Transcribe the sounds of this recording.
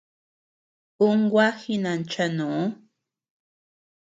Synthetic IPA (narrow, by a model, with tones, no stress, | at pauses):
u˦ŋ˦ɡwa˦xi˦nã˨n˨t͡ʃɛ˦nũ˨˦